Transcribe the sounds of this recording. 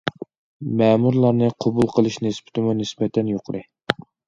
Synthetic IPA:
mɛːmuɾlˠɑɾnɨqʰobulˠqʰəlˠɨʃnɪsbɪ̥t̪ʰɪmunɪsbɛt̪ʰɛnjoqʰɾɨ

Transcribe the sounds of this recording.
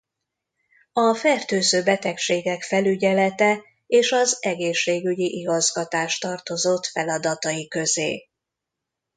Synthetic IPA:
ɒfɛrt̪øːzøːbɛt̪ɛkʃeːɡɛkfɛlyɟɛlɛt̪ɛ | eːʃɒzɛɡeːʃːeːɡyɟiʔiɡɒzɡɒt̪aːʃt̪ɒrt̪o̞zo̞t̪fɛlɒd̪ɒt̪ɒjikø̞zḛː

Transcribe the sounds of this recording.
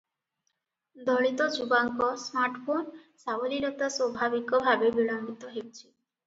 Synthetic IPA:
d̪ʱɔɭit̪ɔd͡ʑubaŋkɔsmaɾʈpʰonsaboliɾɔt̪asɔbʱabikɔbʱabebiɭambit̪ɔɦewt͡ɕʰi̥

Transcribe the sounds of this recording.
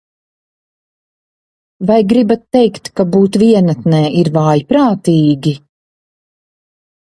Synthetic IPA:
vajɡɾibat̪ːɛjkt̪kabuːt̪viɛnat̪nɛːiɾvaːjipɾaːt̪iːɡʲi

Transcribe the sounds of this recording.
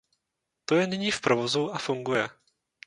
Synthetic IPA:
t̪ojɛnɪɲiːfpɾovozuafuŋɡujɛ

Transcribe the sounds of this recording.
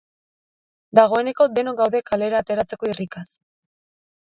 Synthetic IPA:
d̪aɣ̞o̞e̞ne̞ko̞d̪e̞no̞ɡawðe̞kale̞ɾaːt̪e̞ɾat͡se̞ko̞irikas

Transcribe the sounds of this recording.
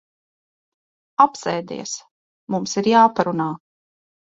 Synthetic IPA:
apsɛːd̪ḭːɛs | mumsiɾjaːpaɾunaː

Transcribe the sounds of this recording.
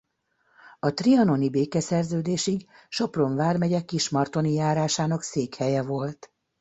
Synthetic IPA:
ɒt̪riɒno̞nibeːkɛsɛrzøːd̪eːʃiɡ | ʃo̞pro̞ɱvaːrmɛɟɛkiʃmɒrt̪o̞nijaːɾaːʃaːnɒkseːkhɛjɛvo̞lt̪

